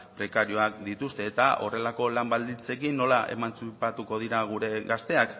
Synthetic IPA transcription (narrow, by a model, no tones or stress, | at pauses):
pɾe̞kaɾio̞akd̪it̪ust̪e̞ːt̪aʔo̞re̞lako̞lambald̪int͡se̞kinːo̞laʔe̞̰mant͡supat̪uko̞ð̞iɾaɣ̞uɾe̞ɣast̪e̞ak